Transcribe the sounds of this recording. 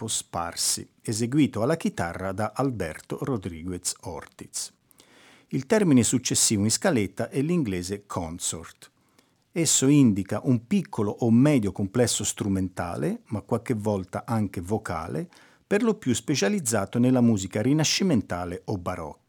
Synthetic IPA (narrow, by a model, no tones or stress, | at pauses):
pospa̰rsḭ | ezeɡwiːt̪oalːak̟it̪a̰rːad̪aʔalbɛ̰rt̪orod̪ɾiːɡwet̪sɔ̰rt̪it̪s | ilt̪ɛrminesut͡ʃːesːiːvoĩnskalet̪ːaʔɛlːiŋɡlɛːzekʰɔnso̰rt̪ | esːoind̪ikaʔumpikʰːoloʔomːɛːd̪jokomplɛsːost̪ɾument̪a̰ːlemakːwalk̟evːɔlt̪aʔaŋk̟evoka̰ːlḛ | perlopjuspet͡ʃalid̪zːaːt̪onelamuːzikaɾinaʃːiment̪aːleʔobːaɾɔ̰kː